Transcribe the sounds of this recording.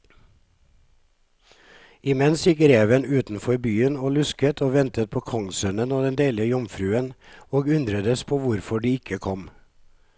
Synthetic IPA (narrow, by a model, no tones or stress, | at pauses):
ɪmɛnsjɪkɾeːʋənʉːt̪n̩fɔɾbyːənoːlʉskət̪ʰoːʋɛnt̪ət̪̚pʰoːkʰɔŋsœnənoːd̪ɛnd̪eːləəjɔmfɾʉːənoːɡʉnd̪ɾəd̪əspʰoːʋʊɾfɔɖiːɪkʰəkʰɔm